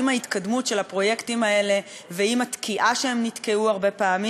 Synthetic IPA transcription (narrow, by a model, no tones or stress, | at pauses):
imait̪kadmutʃe̞lapʁo̞je̞ktimae̞le̞ | veimat̪kʰiʔaʃeemnit̪keuaʁbe̞paːmi